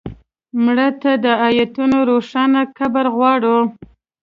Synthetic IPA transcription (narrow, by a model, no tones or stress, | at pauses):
mɽət̪ad̪əajat̪unoɾoʂɑnakabaɾɣwɑɽu